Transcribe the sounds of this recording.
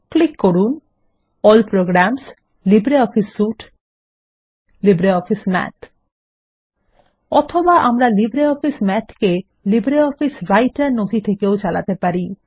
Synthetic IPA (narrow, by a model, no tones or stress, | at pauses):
klikːoɾun | ɔlpɾoɡɾams | libɾeɔpʰisːuʈ | libɾeɔfʰismɛ̰t̪ʰ | ɔt̪ʰobaʔamɾalibɾeɔpʰismɛt̪ʰke | libɾeɔfʰisɾajʈaɾnot̪ʰit̪ʰekeot͡ɕala̰t̪epaɾi